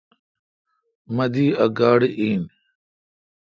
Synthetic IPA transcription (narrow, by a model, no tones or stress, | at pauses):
mɐd̪iːɐɡaːɽeʔiːn